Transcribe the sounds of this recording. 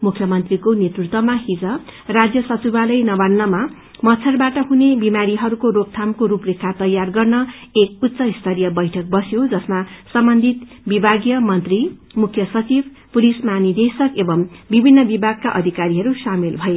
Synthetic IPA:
mukʰjʌmʌnt̪rikonet̪rut̪wʌmaɦid͡zʌrad͡zjʌsʌt͡sibalʌjnʌbanːʌma | mʌtt͡sʰʌrbaʈʌɦunebimaɾiɦʌɾukoɾop̚t̪ʰamkoɾuprekʰːat̪ʌjarɡʌrnʌek̚ut̪sʌist̪ʰʌɾijʌbʌjʈʰʌk̚bʌsjod͡zʌsmasʌmbʌnd̪ʱit̪ | bibʱaɡjʌmʌnt̪ri | mukʰjʌsʌt͡sib | puɾismanid̪esʌkebʌmbibʱinːʌbibʱaɡ̚kaʔʌd̪ʱikaɾiɦʌɾusamilbʱʌe

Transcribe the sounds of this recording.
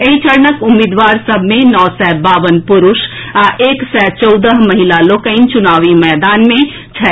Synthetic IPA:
eit͡ʃəɾnəkʊmid̪ʋaːɾsəbʱmẽnɔːsɛbaːʋənpʊɾʊʃaʔeːksɛt͡ʃɔʊd̪əɦməɦilalokəɪnt͡ʃʊnaːʋimɛːd̪aːnmẽ | t͡ʃʰɛ

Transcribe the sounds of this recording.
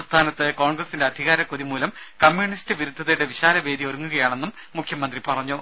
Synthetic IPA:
st̪ʰaːnɐt̪ːɨko̞ːɳɡrɐsinde̞ɐd̪ʱiɣaːɾɐkoðimuːlɐmkɐmjuɳistɨʋiɾud̪ʱːɐðɐjuɽeʋiɕaːlɐʋe̞ːd̪ioɾuŋːuɣɐjaːɳe̞nːumːukʰjɐmɐnd̪ripɐrɐɲːu

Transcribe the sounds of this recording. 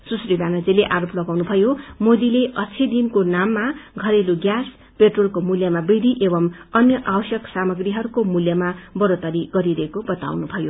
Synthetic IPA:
susribanʌd͡zileʔaɾoplʌɡawnubʱʌjomod̪ileʔʌt͡sʰid̪inkonamːaɡʱʌɾeluɡjas | peʈrolkomuljamabid̪ʱiʔebʌmʌnjʌʔawʌsjʌksamʌɡriɦʌɾukomuljamabʌɾot̪ʌɾiɡʌɾiɾʌɦekobʌt̪a̰wnubʱʌjo

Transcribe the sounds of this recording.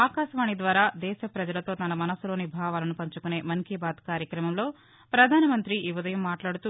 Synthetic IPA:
aːkaːʃɐʋaːɳid̪ʋaːɾaːd̪ɛːʃɐpɾɐd͡ʒɐlɐt̪oːt̪ɐnɐmɐnɐsulo̞ːnibʱaːʋaːlɐnupɐɲt͡ʃukune̞ːmɐnkibaːd̪kaːɾjɐkɾɐmɐmlo̞ː | pɾɐd̪ʱaːnɐmɐnt̪ɾiʔːʋɐd̪ɐjɐmːaːʈlaːɽut̪u

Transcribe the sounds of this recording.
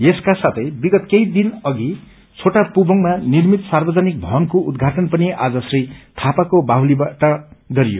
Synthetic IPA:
jeskasat̪ʰʌjbiɡʌt̪kejd̪inʌɡi | t͡sʰoʈapubʱʌŋmanirmit̪sarbʌd͡zʌnik̚bʱʌɦʌnkoud̪ɡʱaʈʌnpʌniʔad͡zʌsrit̪ʰapakobaɦwlibaʈʌɡʌɾijo̰

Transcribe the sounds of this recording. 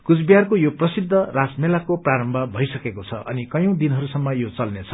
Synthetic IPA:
kut͡sbijarkojoprʌsid̪ʱːʌrasmelakopraɾʌmbʱʌbʱʌjsʌkekot͡sʰʌ̰ʔʌnikʌjõw̃d̪inɦʌɾusʌmːʌjot͡sʌlnet͡sʰʌ̥

